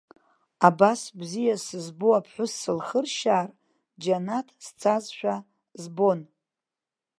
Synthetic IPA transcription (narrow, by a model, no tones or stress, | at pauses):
abasbzijasɨzboapʰħʷʊsːɨlχərʃaːr | d͡ʒanatʰst͡sʰazʃʷᶣa | zbo̞n